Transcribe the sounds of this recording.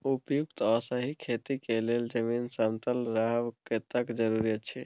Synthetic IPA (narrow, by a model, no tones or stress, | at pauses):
upjukt̪əsəɦikʰet̪ikeleld͡ʒəminsənt̪əlɾaɦʋket̪əkd͡ʒəɾuɾijət̪t͡ʃʰɛ